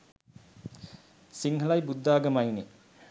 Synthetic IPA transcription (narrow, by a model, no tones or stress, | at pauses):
siŋɦəlajbud̪ːaːɡəmajne